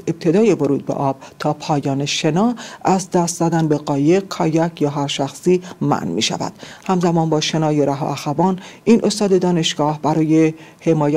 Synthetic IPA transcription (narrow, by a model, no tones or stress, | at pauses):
eb̥̚t̪ʰe̞d̪ɒːje̞voɾuːd̪̚bḛʔɒːb̥̚t̪ʰɒːpʰɒːjɒːneʃe̞nɒːæzd̪æst̪zæd̪ænbe̞ɢɒːje̞ʁ̚kʰɒːjækjɒːɦæɾʃæxsiːmæ̰nmḭːʃæ̰væ̰d̪̥hæmzæmɒːnbɒːʃe̞nɒːjeɾæɦɒ̰ʔæxævɒːnʔiːnʔo̞st̪ɒːd̪e̞d̪ɒːne̞ʃɡ̥ɒːhbæɾɒːje | hemɒːjæ